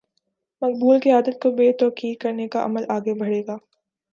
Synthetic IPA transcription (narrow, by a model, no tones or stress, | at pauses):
mɐq̚buːlkiaːd̪ət̪̚kobeːt̪ɔːkiːdkɐɾnekaʔɐ̰məlaːɡebɐɽeːɡaː